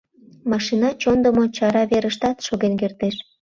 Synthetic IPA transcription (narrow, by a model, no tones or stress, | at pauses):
mɑʃinɑt͡ɕond̪ə̆mot͡ɕɑɾɑβeɾəʃt̪ɑt̪ʃoɣenkert̪eʃ